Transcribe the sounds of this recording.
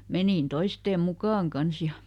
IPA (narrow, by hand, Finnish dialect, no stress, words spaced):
meniˑn toisteːm mukɑːŋ kɑns jɑ